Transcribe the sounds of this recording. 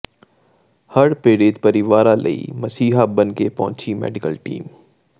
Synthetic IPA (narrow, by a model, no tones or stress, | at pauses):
hɐɽpeːɾɪt̪pɐɾɪʋaːɾalɐ̰ḭmɐsiːɦabɐnkepɐ̰ɦʊ̃t͡ʃimɛ̰ːɖɪkəlʈḭːm